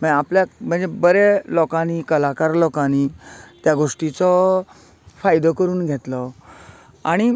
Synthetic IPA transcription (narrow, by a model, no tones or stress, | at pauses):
m̤ə̃apljam̤ə̃ɳd͡zebəɾelɔkãnikəlakaɾlɔkãnit̪jaɡoʂʈit͡sɔ | fajd̪ɔkəɾuːnɡʱet̪lɔ | aɽ̃i